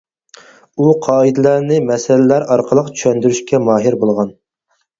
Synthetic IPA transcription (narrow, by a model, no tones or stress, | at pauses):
uqʰɑːid̪ɪlæɾnɪmɛsɛlɪlæɾɑɾqʰəlˠəqt͡ʃʰy̥ʃɛnd̪yɾyʃkʲɛmɑːɦɪɾbolˠʁɑn